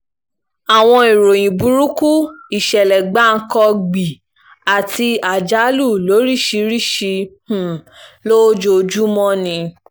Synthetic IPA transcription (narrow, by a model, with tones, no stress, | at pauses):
a˨w̃ɔ̃˧i˨ɾo˨j̃ĩ˨bu˨˦ɾu˦ku˦i˨ʃɛ˨lɛ˨ɡ͡ba˨˦˧ŋ̩˦kɔ˧ɡ͡bi˨ | a˨ti˧a˨d͡ʒa˨˦lu˦˨lo˨˦ɾi˦˨ʃi˧ɾi˦˨ʃi˧h̩˨lo˦d͡ʒo˧d͡ʒu˦mɔ̃˦nĩ˧